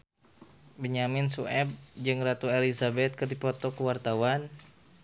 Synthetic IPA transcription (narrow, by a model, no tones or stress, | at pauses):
bəɲamɪnsuʔɛb̚d͡ʒɨŋrat̪uelizabɛt̪̚kərdipɔt̪ɔkəwart̪awan